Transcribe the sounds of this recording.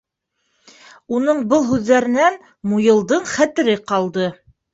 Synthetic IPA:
unɤɴbɤlˠɦʉðːæɾɘ̆næn | mujɤ̆lˠd̪ɤɴχæt̪ɘ̆ɾɘqɑlˠd̪ɤ

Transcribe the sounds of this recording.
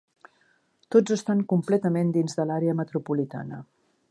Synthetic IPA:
t̪od͡zəst̪aŋkumplɛt̪əmend̪inzðəlaɾeəmət̪ɾupulit̪a̰nə̰

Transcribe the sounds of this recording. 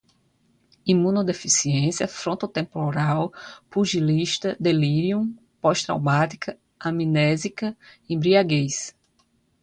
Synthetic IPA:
imũnod̪efisiẽsiɐfɾõt̪ot̪ẽmpoɾawpuʒiliʃt̪ɐd̪eliɾiũ | pɔʃt̪ɾa̰wmat̪i̥kʰɐ | amĩnɛzikɐĩbɾiaɡejs

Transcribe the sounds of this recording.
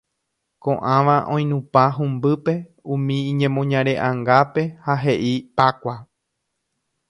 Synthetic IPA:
kõʔãʋãʔõ̞j̃nũpaɦũmbɨpe̞ | ũmĩːɲẽmõɲãɾe̞ʔãŋɡape̞haɦe̞ʔipakʷa

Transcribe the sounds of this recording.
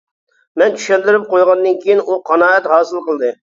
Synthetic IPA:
mɛnt̪ʰy̥ʃɛld̪ɪɾɪp̚qojʁɑnd̪ɨnkʲʰijinuqʰɑnɑːɛt̪hɑːsɨlˠqəlˠd̪ɨ

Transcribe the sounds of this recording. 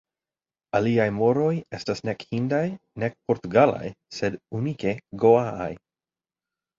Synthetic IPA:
aliajmo̞ɾo̞je̞stasne̞khindajne̞k̚po̞ɾtuɡala̰jse̞dunike̞ɡoaa̰j

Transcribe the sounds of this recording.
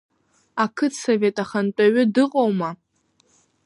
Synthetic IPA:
akʰɨtʰsove̞tʼaχant͡pʷʼaɥʏdɨqʼowma

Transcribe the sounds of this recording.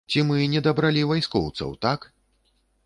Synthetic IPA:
t͡sʲimɨnʲɛd̪ɐbɾalʲivajskɔwt̪sɐ̰wt̪ak

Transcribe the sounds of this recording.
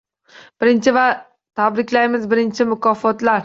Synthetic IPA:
b̥ɪɾɪnt͡ʃʰɪva | t̪ʰabɾɪkʲlajmɪzbɪɾɪnt͡ʃʰɪmʊkʰɒfɒt̪laɾ

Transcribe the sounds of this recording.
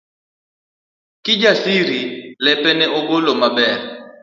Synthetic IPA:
kid͡ʒasiɾilɛpʼɛnɛʔoɡʊlɔmabɛːrɛ

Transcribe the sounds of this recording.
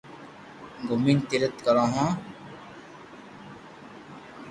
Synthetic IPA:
ɡomiːnt̪iɾət̪kəɾãːɦãː

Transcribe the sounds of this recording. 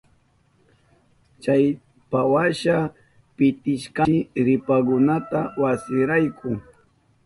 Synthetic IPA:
t͡ʃaj | pawaʃa | pɪt̪ɪʃkaɾɪpakʊnat̪awasɪɾajkʰʊ

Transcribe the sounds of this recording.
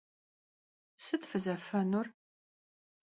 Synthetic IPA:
sɨtfɨzɐfɐnur

